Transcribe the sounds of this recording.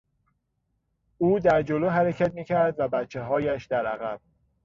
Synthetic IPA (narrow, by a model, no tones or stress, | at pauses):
uːd̪æɾd͡ʒoloːɦæɾecʰæt̪̚miːcʰæɾd̪væbæt̪t͡ʃʰːe̞ɦɒːjæʃd̪æɾæɣæb̥̚